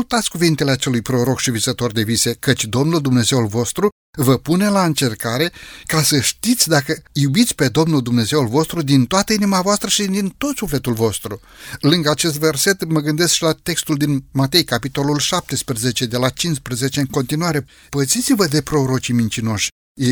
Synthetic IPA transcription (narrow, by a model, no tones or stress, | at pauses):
ult̪at̪sʲkuvint̪e̞leat͡ʃe̞lujpɾo̞ɾo̞kʃivisət̪o̞rd̪e̞vise̞kət͡ʃʲd̪o̞mnuld̪umne̞ze̞ulvo̞st̪ɾu | vəpune̞laɨnt͡ʃe̞rkaɾe̞kasəʃt̪it̪sʲd̪akəjubit̪sʲpe̞d̪o̞mnuld̪umne̞ze̞ulvo̞st̪ɾud̪int̪oat̪əinimavoast̪ɾəʃid̪int̪o̞t̪sufle̞t̪ulvo̞st̪ɾu | lɨŋɡəat͡ʃe̞st̪ve̞rse̞t̪məɡɨnd̪e̞skʃilat̪e̞kst̪uld̪inmat̪e̞jkapit̪o̞lulʃap̚t̪e̞spɾəze̞t͡ʃe̞d̪e̞lat͡ʃinspɾəze̞t͡ʃe̞ɨŋko̞nt̪inuaɾe̞ | b̥əzit̪sivəd̪e̞pɾo̞ɾo̞t͡ʃimint͡ʃino̞ʃʲ | je